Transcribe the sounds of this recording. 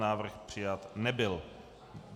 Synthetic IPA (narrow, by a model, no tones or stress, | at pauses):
naːvr̩xpr̝̥ɪjat̪nɛbɪl